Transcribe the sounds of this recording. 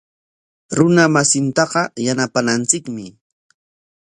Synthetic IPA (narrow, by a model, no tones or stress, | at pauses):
ɾʊnamasɪnt̪ɑqɑjanapanant͡sɪkmɪ